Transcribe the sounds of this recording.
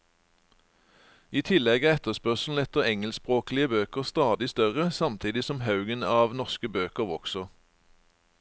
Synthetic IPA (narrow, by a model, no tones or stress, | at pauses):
iːt̪ʰɪlɛɡəɛt̪əspœʁsl̩ɛt̪əʁɛŋəlspʁoːklɪəbøːkəʁst̪ɑːd̪ɪst̪œʁəsɑmt̪ʰiːd̪ɪsɔmhɑʉɡənɑːʋnɔʁskəbøːkəʁʋɔksɔ